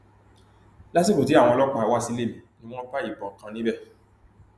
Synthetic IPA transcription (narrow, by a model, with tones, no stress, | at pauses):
la˦s̬i˦ko˨ti˨˦a˦˨w̃ɔ̃˧lɔ˦k͡pa˧˨˦wa˦˨si˧le˦˨mĩ˨nĩ˦w̃ɔ̃˦ba˦i˦˨bɔ̃˨kã˧nĩ˦bɛ˦˨